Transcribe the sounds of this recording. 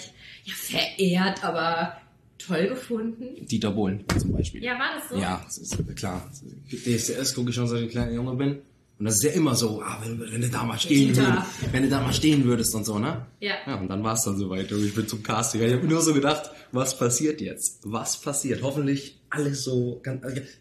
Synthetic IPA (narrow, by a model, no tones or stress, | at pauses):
jaːfɛɐʔeːɐtʔaːbɐ | tʰɔlɡəfʊndn̩d̥iːdaboːlənt͡sʊmba̰ɪʃpḭːjavaːdasja̰ːsɪskʰl̥aːd̥eːɛseʔɛskʊkɪçʃoːnzoenklaɪnɪaʊnzoːbɪn | ʔʊntd̥as̬ɪstjaːʔɪmɐzoːʔa̰ːvɛnvɛnduːda̰ːmaːlʃteːənvʏdəvɛnduːdaːmaːlʃteːənvʏɐɾəstʊntz̥oːnəjajaːʊntd̥anvaːɐsd̥anzoːvaɪt̚oɪçb̥ɪnt͡sʊmkʰaːstɪkɐɪçhaːbnuːɐzoːɡədaχtvaspʰasiːɐtjɛt͡stvaspʰasiːɐthɔfn̩tlɪçʔaləsz̥oːɡ̥ant͡sʔala